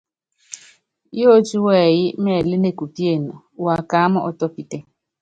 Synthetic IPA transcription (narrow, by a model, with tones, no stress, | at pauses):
jo˦t͡ʃu˦wɛ˦˨jɪ˦mɛ˦˨le˦ne˦ku˨pi˦e˦˨na˨ | wa˨ka˨˦a˦mʊ˦ʔɔ˨tɔ˦pi˦te˦